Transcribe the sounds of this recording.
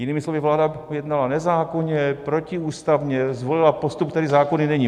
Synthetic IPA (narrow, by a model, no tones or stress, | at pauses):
jɪniːmɪslo̞vɪvlaːdajɛdnalanɛzaːko̞ɲɛpɾo̞cɪuːst̪avɲɛzvolɪlapost̪up̚t̪ɛdɪzaːko̞nɪnɛɲiː